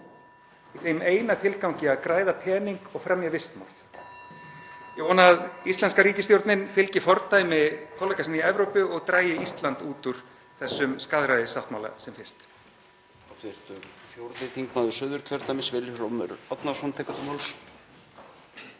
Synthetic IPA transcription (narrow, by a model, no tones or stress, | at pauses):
iθejmeːjnat̪ʰɪlkawɲcɪaðkɾaːjðapʰɛːniŋkɔɣfɾamjavɪst̪ma̰wɾ̥θ | jɛɣvɔːnaðist̪ɛnskaɾiːcɪsθjowɾt̪nɪnfɪlcɪfɔɾt̪ajɪmɪkʰɔːlɛjkasɪniɛvɾowpʏɔɣt̪ɾaːjɪist̪lant̪uːt̪ʏɾ̥ | θɛsːʏmskaːðɾajðɪsawht̪mawla̰sɛmfɪst̪ | tvɪɾ̥t̪ʏɾsjowɾt̪nɪθiŋkmaðʏsʏðʏɾ̥cʰœɾt̪amɪsvɪljʏfɾɔmʏ̰ɾɔt̪nasɔnt̪ʰɛjkʏt̪ɪmals